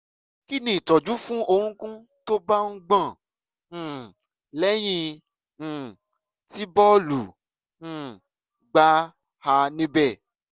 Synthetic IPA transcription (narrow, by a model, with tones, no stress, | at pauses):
ki˦nĩ˦˨i˨tɔ˨d͡ʒu˨˦fũ˦o˧hũ˦kũ˦ | to˦ba˦ŋ̩̃˦ɡ͡bã˦˨ | lɛ˦j̃ĩ˧˨ | ti˦bɔ˦lũ˨˦˨ | ɡ͡ba˦ | ha˧nĩ˦bɛ˦˨